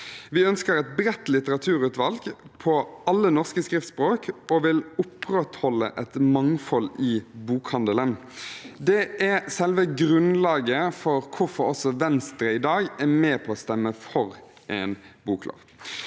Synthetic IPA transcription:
ʋɪœnskəɾɛt̪̚bɾɛt̪lɪt̪əʁɑt̪ʰʉːɾʉːt̪ʋɑlɡpʰɔɑlːənɔʁskəskɾɪft̪spɾoːkɔʋɪlʊpːɾɛt̪hɔlːə̰ʔɛt̪mɑŋfɔlɪbuːkhɑnd̪ələn | d̪ɛæsɛlʋəɡɾʉnlɑːɡəfɔɾkʰʊɾfɔɔsɔʋɛnst̪ɾəɪd̪ɑːɡæmɛːpʰɔɔst̪ɛmːəfɔɾ | ʔɛnbuːklo̰ːʋ

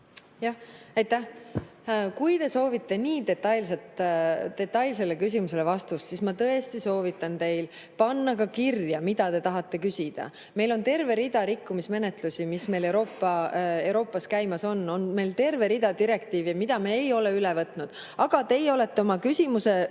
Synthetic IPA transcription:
jɑhɑjt̪ːæh | kujt̪e̞so̞ːvit̪ːˑe̞niːd̪e̞t̪ːɑjlset̪ːe̞t̪ːˑɑjls̬e̞lːe̞kys̬ʲimus̬e̞le̞vɑst̪ussismɑt̪ɤe̞st̪iso̞ːvit̪ːˑɑnt̪e̞jl | pɑnːɑkɑkirjɑmid̪̥ɑt̪e̞t̪ɑɦɑt̪ːe̞kysʲid̪̥ɑ̰ | me̞jlo̞nt̪e̞rve̞ɾid̪̥ɑɾikːumisme̞ne̞t̪lusimisme̞jle̞wɾo̞ːpːˑɑe̞wɾo̞ːpːˑɑskæjmɑso̞nːo̞nme̞jlt̪e̞rve̞ɾid̪̥ɑd̪iɾe̞kt̪iːvjɑmid̪̥ɑmeejo̞le̞ylevɤt̪ːˑnud̪̥ | ɑɡ̥ɑt̪e̞jo̞le̞t̪ːe̞o̞mɑkysʲimuse̞

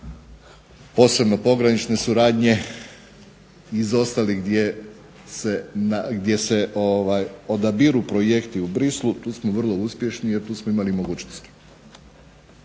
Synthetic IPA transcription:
po̞ːse̞bno̞po̞ɡɾanit͡ʃne̞suɾaːd̪ɲe̞ | izo̞st̪aliɡd̪je | senaɡd̪je̞se̞ʔoʋajod̪abiɾupɾoje̞kt̪iubɾislˠut̪uːsmoʋr̩lˠo̞uspje̞ʃnije̞ɾt̪uːsmoimalimo̞ɡuːt͡ɕnost̪i̥

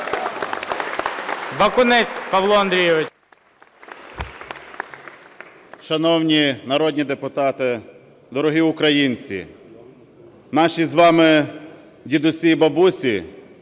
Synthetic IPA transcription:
bɐkʊnɛtʲpɐʋlˠɔɐnd̪ɾʲijɛʋɪ | ʃɐnɔwnʲinɐɾɔd̪ʲnʲid̪epʊt̪ɑt̪ɪ | d̪ɔɾɔɦiʊkɾɐjinʲt͡sʲḭ | nɑʃʲizʋɑmɪ | dʲid̪ʊsʲibɐbusʲi

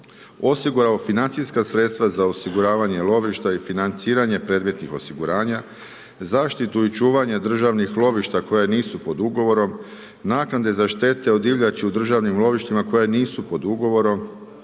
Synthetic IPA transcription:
o̞siɡuɾao̞finant̪siskasɾe̞t̪st̪ʋazao̞siɡuɾaːʋaɲe̞lˠo̞ʋiʃt̪aifinant̪siːɾaɲe̞pɾe̞d̪me̞t̪nixo̞̰siɡuɾaːɲa | zaːʃt̪it̪uit͡ʃuːʋaɲed̪r̩ʒaʋnixlˠo̞ʋiʃt̪ako̞janiːsupo̞d̪uɡo̞ʋo̞ɾo̞m | naːknad̪e̞zaʃt̪e̞t̪e̞o̞d̪iʋʎat͡ɕiud̪r̩ʒaʋnimlˠo̞ʋiʃt̪imako̞janiːsupo̞d̪uɡo̞ʋo̞ɾo̞m

